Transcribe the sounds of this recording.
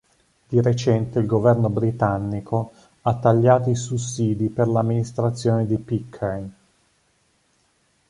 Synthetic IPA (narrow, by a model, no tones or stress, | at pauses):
d̪̥iɾet͡ʃɛnt̪eilɡovɛrnobɾit̪anːikʰo | at̪ːaʎːaːt̪oisusːiːd̪iperlamːinist̪ɾat̪sːjoːned̪ipikʰːan